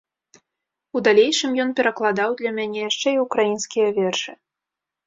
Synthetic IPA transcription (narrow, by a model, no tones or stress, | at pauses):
ud̪alʲejʂɨmjɔnpʲɛɾɐklˠad̪ɑwd̪lʲamʲanʲɛjaʂt͡ʂɛiukɾajinskʲijɐvʲɛrʂɨ